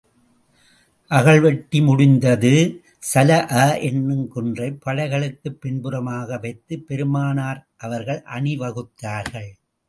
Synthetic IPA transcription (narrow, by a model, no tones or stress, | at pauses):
ʔɐɣɐɭʋɛʈːimʊɽɪnd̪ɐðɯ | sɐlɐʔɐʔɛnːɯmkɯndrɐɪpːɐɻɐɪɣɐɭɯkːɯpːɪnbɯɾɐmaːɣɐʋɐɪt̪ːɯpːɛɾɯmaːnaːɾʔɐʋɐɾɣɐɭʔɐɳɪʋɐɣɯt̪ːaːɾɣɐɭ